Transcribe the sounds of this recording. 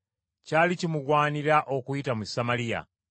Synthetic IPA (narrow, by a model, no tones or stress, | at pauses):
caːlicimuɡwaːniɾaʔo̞kujitamusamalija̰